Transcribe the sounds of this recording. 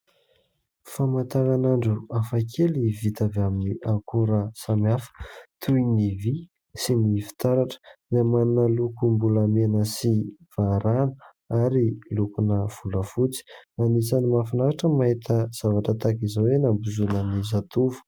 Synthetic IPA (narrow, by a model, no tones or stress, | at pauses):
famat̪aɾanaɳɖ͡ʐuafakʰelivit̪avaminiʔaŋkuɾəsamiafə̥t̪ʰujnivi | sinifi̥t̪aɾaʈ͡ʂə̥zamannalukumbulamenəsiv̥aɾanə̥ | aɾilukunəv̥uləfut͡si̥anisanimafinaɾaʈ͡ʂəmaɦet̪ʰəz̥avaʈ͡ʂət̪akizawenambuzunənizat̪uvu̥